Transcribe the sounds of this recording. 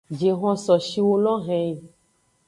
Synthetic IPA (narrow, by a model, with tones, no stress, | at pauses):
d͡ʒe˨ɦɔ̃˦sɔ˨ʃi˦wo˦lɔ̃˦ɦɛ̃˦˨